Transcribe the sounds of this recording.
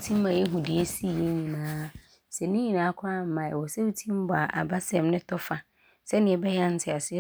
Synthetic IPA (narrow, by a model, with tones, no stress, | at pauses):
tʰĩ˦m˦mã˨je˦ɦu˨di˨e˦si˦˨je˦ɲĩ˨nãː˨˦ | sɛ˨nɪ̃˦ɲĩ˨nãː˨˦kʰʊ˦a˦m̩˦mã˨ɛ̰˨wɔ˨sɛ˦wu˦tʰĩ˦m˦bɔ˨a˨ʔa̰˨ba˦sɛ̃˦mnɪ̃˦tʰɔ˦fa˨ | sɛ˦nɪ̃˨ɛ˨bɛ˦jã˦n̩˦tʰɪ˨a˨sɪ˦ɛ˦